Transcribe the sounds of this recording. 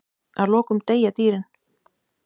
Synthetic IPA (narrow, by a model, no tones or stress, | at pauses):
aðlɔːkʏmt̪ejat̪iːɾɪn